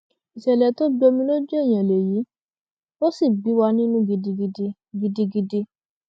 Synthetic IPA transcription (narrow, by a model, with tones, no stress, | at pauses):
i˨ʃɛ˨lɛ˨to˦ɡ͡bɔ˧mĩ˧˦lo˦d͡ʒu˦e˦˨j̃ã˨le˨ji˨˦ | o˦si˦˨bi˨˦wa˧nĩ˦nũ˦ɡi˧di˧i˧ | ɡi˧di˧ɡi˧di˧